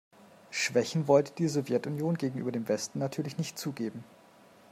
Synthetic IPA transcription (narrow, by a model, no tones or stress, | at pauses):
ʃv̥ɛçn̩vɔltə̥d̥iːzɔvjɛtʊnjoːnɡeːɡŋ̩ʔyːbɐdeːmvɛstn̩natʰyːɐlɪçnɪçtt͡suːɡeːbm̩